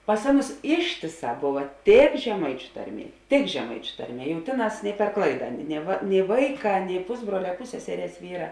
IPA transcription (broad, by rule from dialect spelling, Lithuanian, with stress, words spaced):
pɐs ˈɑːˌnʊs ˈɪʃʲtʲeːˌsɑː ˈboːʋɐ tʲeːk ʒʲɛˈmɐɪt͡ʃʲʊ ˈtɐrʲˌmʲiɛ tʲɪk ʒʲɛˈmɐɪt͡ʃʲʊ ˈtɐrʲˌmʲiɛ jɛʊ ˈtʲeːˌnɑːs pʲɛr ˈklˠɐɪdɐ nʲɛ ʋɐ nʲɛɪ ˈʋɐɪˌkɑː nʲɛɪ ˈpʊzbruɔlʲɛ ˈpʊsʲsʲɛsʲɛrʲeːs ˈʋʲiːrɐ